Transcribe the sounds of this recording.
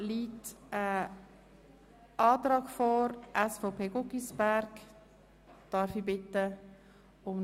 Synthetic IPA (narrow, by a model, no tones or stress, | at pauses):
liːtə | ɑːtɾɑːɡ̥fɔɾʔɛsfaʊpʰeːɡʊkisbæɾk | d̥ɑːɾfibɪtə | ʊm